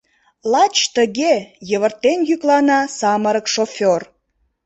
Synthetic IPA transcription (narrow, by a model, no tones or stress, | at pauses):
lɑt͡ɕt̪əɣejəβərt̪enjyklɑnɑsɑməɾəkʃofʲor